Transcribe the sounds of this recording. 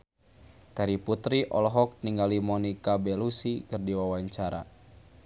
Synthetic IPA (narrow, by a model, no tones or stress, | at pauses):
k̪aɾiput̪ɾiʔɔ̰lɔɦɔk̚niŋɡalimɔnikabɛlusikɨrdiwawaɲt͡ʃaɾa̰